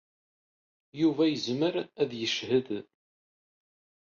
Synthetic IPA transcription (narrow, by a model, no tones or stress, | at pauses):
juvæjəzməɾæðjəʃhəð